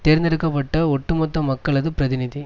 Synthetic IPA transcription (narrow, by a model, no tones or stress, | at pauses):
t̪eːɾɪnd̪ɪɾɯkːɐpːɐʈːɐɔʈːɯmɔt̪ːɐmɐkːɐɭɐðɯpɪɾɐðɪnɪði